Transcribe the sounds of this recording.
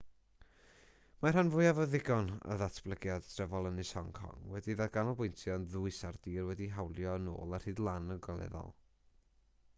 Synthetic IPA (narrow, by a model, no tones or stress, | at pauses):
marhanvʊjavɔðɪɡɔnə̰ðatʰb̥lˠəɡjad̥tʰrɛvɔlˠənisɔŋkʰɔ̰ŋwɛdiðaɡanɔbʊjntʰjɔnðʊɨsardiːrwɛdiɦawlˠjɔəno̰ːlˠar̥hɨːdlˠanənɡɔlˠɛ̰ðɔ̰lˠ